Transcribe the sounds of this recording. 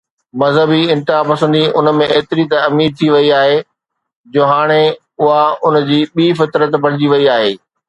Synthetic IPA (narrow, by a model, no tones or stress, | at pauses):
mɐzɦəbiɪ̃nt̪ɪɦapɐsə̃nd̪iʊnmẽeːt̪ɪɾit̪ɐmiːɾt̪ʰiʋɐiaːɦe | d͡ʑoːɦaːɽ̃e | ʊɦaʊn̆d͡ʑiːɓiːfɪt̪ɾət̪bɐɽ̤ɪd͡ʑiʋɐiaːɦeː